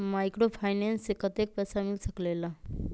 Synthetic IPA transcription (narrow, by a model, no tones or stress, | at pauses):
majkɾopʰajnensekʌt̪ek̚pʌsamilsʌklelʌ